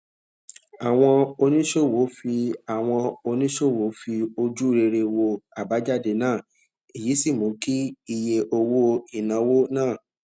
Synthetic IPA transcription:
a˨w̃ɔ̃˧o˧nĩ˦ʃo˦˨wo˨˦fi˧a˨w̃ɔ̃˧o˧nĩ˦ʃo˦˨wo˨˦fi˧o˧d͡ʒu˦˧ɾe˧ɾe˧wo˧a˨ba˨˦d͡ʒa˦˨de˨˧˨nãː˦˨ | i˨ji˨˦si˦˨mõ˨˦ki˦i˧je˧ʔo˧wo˦i˦˨nã˧wo˦nãː˦˨

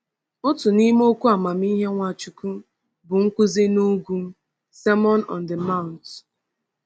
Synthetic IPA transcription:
ʊ˦tʊ˨ni˦m˦o˦kʷu˦a˨ma˨m˦i˦ɦe˦ŋʷa˨t͡ʃu˨ku˦ | bʊ˨ŋ̩˦kʷʊ˦zi˦nu˦ɡu˦m̩˦ | se˦mɔ˦nɔ̰̃˨n̩də˨ma˦ʊ˨n˨t

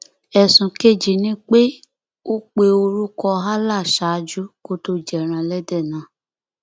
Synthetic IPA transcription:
ɛ˨sũ˨ke˦˨d͡ʒi˨nĩ˦k͡pe˦ | o˦k͡pe˧o˧ɾu˦kɔ˧ɦa˦la˦˨ʃa˨˦d͡ʒu˦ko˦to˧d͡ʒɛ˨ɾ̃ã˨˧lɛ˦dɛ˦˨nã˨˦

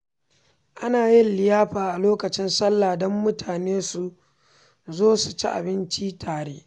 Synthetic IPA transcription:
ʔa˦naː˨jɪ˦nlɪ˨jaː˦ɸaː˨ʔa˨loː˦kɐ˨t͡ʃɪ˦nsɐ˦lːaː˨dɔ˦mːʊ˦tʰaː˨neː˦su˨ | zoː˦su˨t͡ʃḭ˦ʔa̰˨bɪ˦nt͡ʃi˦tʰaː˨ɽeː˦

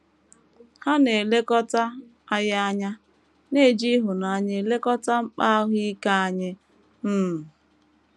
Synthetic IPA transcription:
ha˦ne˨le˦kɔ˦ta˦ | a˦ja˦a˦ɲa˦ | ne˦˨d͡ʒi˦ɦʊ˨na˨˦˨ɲe˦˨le˦kɔ˦ta˦ŋ͡m̩˦k͡pa˦ɦi˦ka˦a˦ɲɪ˦ | m̩ː˦˨

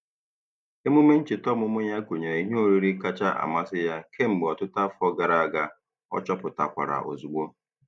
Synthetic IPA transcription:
e˦mʊ˦me˦n̩˦t͡ʃɪ˨tɔ˦mʊ˦mʊ˦ɲa˦ko˨ɲe˨ɾe˨i˦ɦe˦o˦ɾi˦ɾi˦ka˦t͡ʃa˦ʔa̰˨ma˦sɪ˦ja˦kʰe˦m̩˨ɡ͡bɔ˨tʊ˦ta˦fɔ˦ɡa˨ɾa˨a˦˨ɡa˦ | ɔ̰˦t͡ʃɔ˦pʊ˨ta˨kʷa̰˨ɾa̰˨ʔo̰˨zu˨ɡ͡bo˦

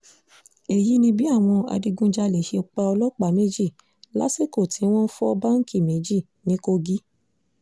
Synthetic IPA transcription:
e˨ji˨˦nĩ˧bi˦a˦˨w̃ɔ̃˧a̰˧di˧ɡũ˦d͡ʒa˧le˨ʃe˧o˧k͡pa˧ɔ˧lɔ˦k͡pa˨me˦d͡ʒi˦˨ | la̰˨˦se˦˨ko˦˨tĩ˨˦w̃ɔ̃˦n̩˦fɔ˦ɔ˧ba˦ŋ̩˦ki˦˨me˨˦d͡ʒi˦˨ | nĩ˨˦ko˧ɡi˦

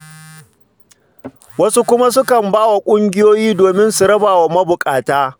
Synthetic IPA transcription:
wɐ˦su˦kʷʊ˦ma˦sʊ˦kɐ˨mbaː˦wa˨kʷʼʊ˦ŋɡʲɪ˦joː˦jiː˦doː˨mɪ˦nsu˨ɾɐ˦baː˨wa˨mɐ˦bʊ˨kʼaː˨taː˦

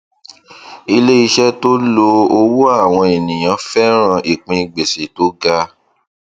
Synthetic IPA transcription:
i˧le˦i˧ʃɛ˦to˦lo˧o˧wo˦a˦˨w̃ɔ̃˧e˨nĩ˨j̃ã˨˦fɛ˦ɾ̃ã˧ʔi˨k͡pĩ˧˨ɡ͡be˨se˨to˨˦ɡa˧

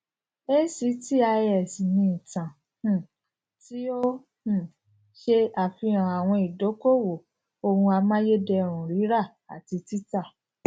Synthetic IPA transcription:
e˦si˨˦ti˦a˧jɛ˨si˨nĩ˧i˨tã˨ | h̩˦˨ | ti˦o˦ | h̩˦˨ | ʃe˧a˨fi˧˦ɾã˨a˨w̃ɔ̃˧i˨do˨˦ko˦wo˨ | o˧hũ˧a˧mã˦je˦dɛ˧ɾ̃ũ˨ɾi˨˦ɾa˦˨ | a̰˨ti˧ti˦ta˦˨

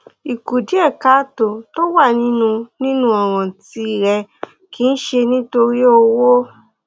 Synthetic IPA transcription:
i˨ku˨di˨˦ɛ˦˨ka˦to˨to˦wa˦˨nĩ˦nũ˧nĩ˦nũ˦ɔ̃˨ɾ̃ɔ̃˨ti˧i˨ɾɛ˧ | ki˨˦n̩˦ʃe˧nĩ˦to˧ɾi˦o˧wo˦

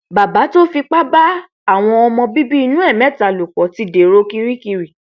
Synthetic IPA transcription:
ba˨ba˨˦to˦fi˧k͡pa˦ba˦ | a˦˨w̃ɔ̃˧ɔ˧mɔ̃˧bi˦bi˦i˧nũ˦ɛ˦˨mɛ̃˨˦˨ta˨lu˨kɔ˨˦ti˨˦de˨ɾo˦ki˧ɾi˦ki˧ɾi˨

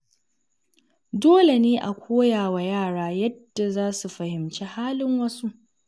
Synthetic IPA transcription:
doː˦le˨neː˦ʔa˨kʷʰoː˦jaː˨wa˨jaː˦˨ɽaː˦jɐ˦d̥ːa˨zaː˦su˨ɸɐ˨hɪ˨mt͡ʃeː˦haː˦lɪ˦ŋwɐ˦su˦ʔ

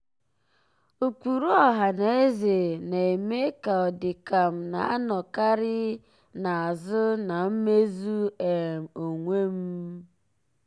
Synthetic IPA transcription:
o˨kʷu˨ɾu˦ɔ˦ɦa˨na˨e˦ze˨na˨e˨me˦ka˨ɔ˨dɪ˨ka˨m̩˨na˨a˦nɔ˨ka˦ɾɪ˦ | na˨a˨zʊ˦na˨m̩˦me˦zu˦e˨m̩˨o˨ŋʷe˦m̩˦

